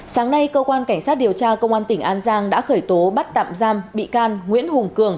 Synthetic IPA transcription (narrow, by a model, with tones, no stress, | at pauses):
saː˨˦ŋna˧jkəː˧kwaː˧nka˧˩ŋ̟saː˦˥t̚ɗi˨˩əwt͡ɕaː˧kə˧wŋ͡mʔaː˧nt̪ï˧˩ŋ̟ʔaː˧nzaː˧ŋɗa̰ː˧˥xəː˧˩jt̪o˨˦ɓa˦˥t̚t̪a̰ː˧˨mzaː˧mɓḭ˧˨kaː˧nŋwḭ˧˥ənhʊ˨˩ŋ͡mkɨ˨˧˩əŋ